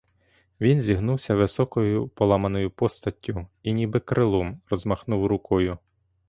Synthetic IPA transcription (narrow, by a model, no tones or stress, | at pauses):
ʋʲinzʲiɦnuwsʲɐʋɪsɔkɔjʊpɔlˠɑmɐnɔjʊpɔst̪ɐtʲːʊinʲibɪkɾɪlˠɔmrɔzmɐxnuwɾʊkɔjʊ